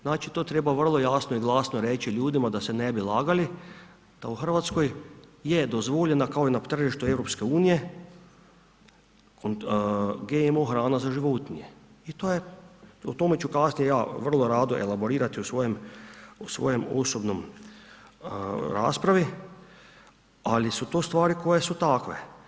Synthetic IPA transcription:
znaːt͡ʃit̪oːt̪ɾebaʋr̩lˠojaːsnoiɡlˠaːsnoɾet͡ʃiʎuːd̪imad̪ase̞nebilˠaːɡali | d̪̥auxər̩ʋat̪skojjed̪ozʋoʎenakaoinat̪r̩ʒiʃt̪uewɾo̞pskeuːnije̞ | konɡemoxɾaːnazaʒiʋot̪niɲe | it̪oːjeut̪o̞met͡ʃukasnijejaːʋr̩lˠoɾaːd̪oʔḛlaboɾiːɾat̪iusʋojemusʋo̰jemo̰sobnom | ɾa̰ːspɾaʋi | alisut̪oːst̪ʋaːɾiko̞jesut̪akʋḛ

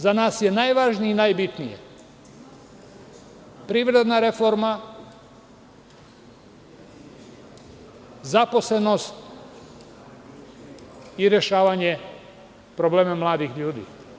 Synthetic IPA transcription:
zanaːsje̞najʋaʒniinajbit̪nijḛ | pɾiːʋɾe̞d̪naɾefo̞ɾma | zapo̞sle̞no̞st̪ | iɾeʃaːʋaɲe | pɾoble̞ːmamlˠaːd̪ixʎuːd̪ḭː

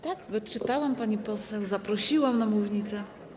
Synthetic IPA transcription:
t̪akvɘt͡ʂɘt̪awampaɲipɔsɛwzapɾɔɕiwamnamuvʲɲit̪sɛ

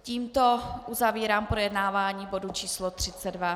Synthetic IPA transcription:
ciːmt̪oʔuzaviːɾaːmpɾojɛdnaːvaːɲiːbodut͡ʃiːslot̪r̝̥ɪt͡sɛdva

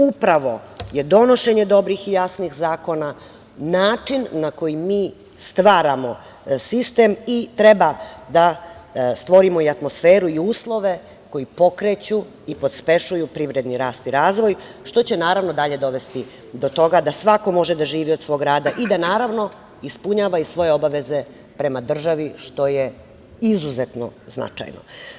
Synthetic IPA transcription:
upɾaʋo̞je̞d̪o̞no̞ʃe̞ɲe̞d̪o̞bɾixijasnixzaːko̞na | naːt͡ʂinːako̞jimiː | st̪ʋaːɾamo̞ | sist̪e̞mit̪ɾebad̪a | st̪ʋo̞ɾimo̞iat̪mosfeːɾuiuːslˠo̞ʋe̞ | ko̞jipo̞kɾet͡ɕu | ipo̞t̪spe̞ʃujupɾiʋɾe̞d̪niɾaːst̪iɾaːzʋo̞j | ʃt̪o̞t͡ɕe̞naːɾaʋno̞d̪aʎe̞d̪o̞ʋe̞st̪i | d̪o̞t̪o̞ɡad̪asʋako̞mo̞ʒed̪aʒiːʋiod̪sʋo̞ɡɾaːd̪aʔid̪anaːɾaʋno̞ | ispuɲaːʋaisʋo̞je̞o̞baʋe̞ze̞ | pɾe̞mad̪r̩ʒaʋiʃt̪o̞je | izuzet̪no̞̰zna̰t͡ʃa̰jno̰

